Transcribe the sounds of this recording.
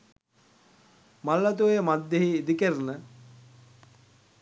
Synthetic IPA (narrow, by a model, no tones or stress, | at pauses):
malːat̪̬uʋejmad̪ːeɦiːd̪ikəɾənə